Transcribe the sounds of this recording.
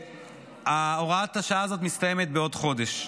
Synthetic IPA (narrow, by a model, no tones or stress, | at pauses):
ao̞ʁat̪aʃaaːzot̪̬mist̪ajemet̪̚beo̞dχo̞deʃ